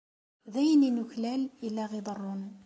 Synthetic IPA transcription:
ðæjnːinʊçlælilːæɣid̪ˤərˤːʊn

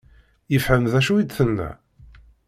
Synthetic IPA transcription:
jəfħəmðæʃuid̪θənːæ̰

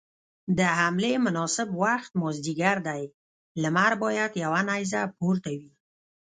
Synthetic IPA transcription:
d̪əhamlemʊnɑsɪbwaxt̪mɔzd̪iɡaɾd̪aj | ləmaɾbɑjad̪jawanajzapoɾt̪awi

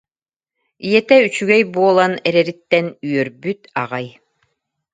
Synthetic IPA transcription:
ijɛt̪ɛyt͡ɕyɡɛjbuɔlˠanɛɾɛɾit̪ːɛnyœɾbyt̪aʁaj

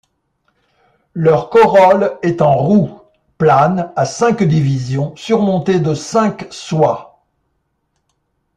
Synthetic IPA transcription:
lœʁkɔʁɔlɛt̪ɑ̃ʁu | planasɛ̃kd̪ivizjɔ̃syʁmɔ̃t̪ed̪əsɛ̃kswa

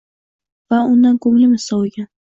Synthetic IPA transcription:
vaʊnd̪ankʰoŋlɪmɪsɒwɡʲan

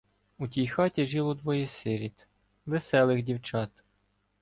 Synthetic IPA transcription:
utʲijxɑtʲiʒilˠɔd̪ʋɔjɛsɪɾʲit̪ | ʋesɛlˠɪxdʲiwt͡ʃɑt̪

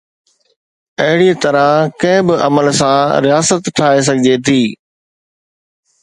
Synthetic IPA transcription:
ɐɦɪɽit̪ɐɾãkɐ̃ɦɪ̃bɪʔɐ̰məlsãɾijaːsət̪ʰːaːes̬ɐɡʱɪd͡ʑet̪ʰiː

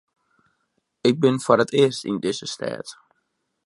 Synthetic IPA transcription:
ɪk̚bɪnfɔɾətɪərstḭndɪzəstʰɛ̰ːt

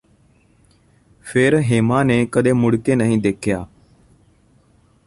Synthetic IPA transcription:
fʰeːɾɦeːmãːneːkəɗ̪eːmʊɽkeːnəɦĩːd̪eːkʰjaː

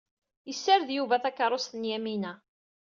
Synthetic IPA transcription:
jəsːaɾðjuvæθækːəɾˤost̪ənjæminæ

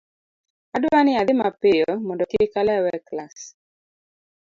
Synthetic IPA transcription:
adwanɪad̪ɪmapɪjɔmɔndɔkɪkalɛwɛklas

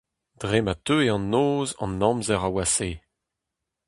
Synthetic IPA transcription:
d̥ʁematøeɑ̃nːoːzɑ̰̃nːɑ̃mzɛʁawaseː

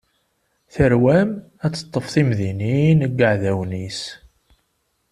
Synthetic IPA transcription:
θəɾwæm | æt͡sːə̥t̪ˤːəfθimðininəɡːəʕðæwnis

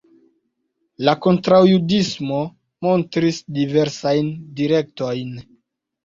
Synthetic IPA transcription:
lako̞ntɾawjudismo̞ | mo̞ntɾisdive̞ɾsajndiɾe̞k̚to̞jn

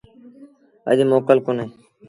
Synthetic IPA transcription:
ə̰ʄmoːkəlkʊneː

